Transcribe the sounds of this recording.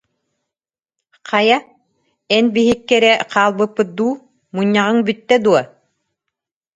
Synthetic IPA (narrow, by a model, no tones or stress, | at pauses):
qʰɑja | ɛnbiɦikːɛɾɛqʰaːlˠbɯpːɯt̪̚d̪uː | muɲːaʁɯŋbyt̪ːɛd̪uɔ